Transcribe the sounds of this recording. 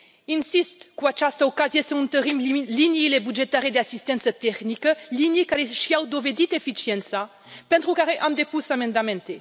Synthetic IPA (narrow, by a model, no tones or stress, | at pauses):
insist̪kuat͡ʃast̪əokaziesəunt̪əɾimliniilebud͡ʒet̪aɾed̪easist̪ent̪sət̪ɛknikəlinikaɾeʃiawd̪oved̪it̪efit͡ʃient̪sa | pent̪ɾukaɾeʔamd̪epusamend̪ament̪e